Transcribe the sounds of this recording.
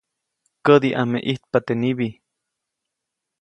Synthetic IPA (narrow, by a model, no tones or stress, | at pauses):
kəd̪iʔamḛʔiht̪̚pat̪eniβi